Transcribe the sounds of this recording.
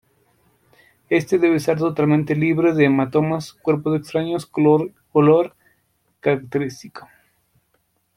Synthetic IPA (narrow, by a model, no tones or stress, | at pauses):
e̞st̪eðe̞βeseɾt̪o̞t̪alment̪eliβɾeðemat̪o̞maskwe̞ɾpozðekst̪ɾaɲosoɾ | koloɾ | kaɾakt̪eɾist̪iko̥